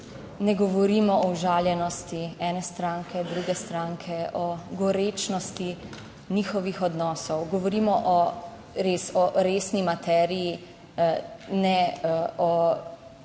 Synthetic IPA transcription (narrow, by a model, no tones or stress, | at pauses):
nɛɡɔʋɔɾiːmɔɔwʒaːljɛnɔst̪iɛːnɛst̪ɾaːŋkʰɛd̪ɾuɡɛst̪ɾaŋkʰɛɔɡɔɾeːt͡ʃnɔst̪i | nixɔʋixɔd̪nɔːsɔwɡɔʋɔɾimɔʔɔ | ɾeːsɔɾeːsnimat̪ɛːɾiji | nɛɔ